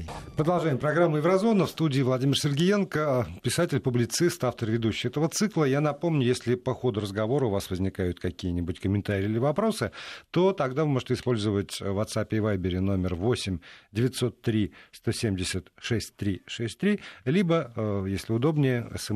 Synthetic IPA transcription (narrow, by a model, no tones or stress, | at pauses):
pɾəd̪ɐlˠʐaɪmpɾɐɡɾamːʊjɪvɾɐzonəfst̪udʲɪːvlˠɐdʲimʲɪrsʲɪrɡʲɪjenkəpʲɪsatʲɪlʲpʊblʲɪt̪sɨst̪aft̪ərvʲɪd̪uɕːɪjɛt̪əvət̪sɨklˠəjanɐpo̞mnʲʊjesʲlʲɪpɐxo̞d̪ʊɾəzɡɐvo̞ɾəʊvasvəzʲnʲɪkajʊt̪kɐkʲijənʲɪbʊtʲkəmʲɪnt̪aɾʲɪːilʲɪvɐpɾo̞sɨt̪o̞t̪ɐɡd̪avɨmo̞ʐətʲɪspo̞lʲzəvətʲvɐt̪sapʲɪvajbʲɪɾʲɪno̞mʲɪrvo̞sʲɪmʲdʲɪvʲɪt̪so̞t̪ːɾʲist̪o̞sʲemdʲɪsʲət̪ʂɛsʲt̚ʲt̪ːɾʲiʂɛsʲtʲt̪ɾʲilʲibəjesʲlʲɪʊd̪o̞bnʲɪjəɛ̰sə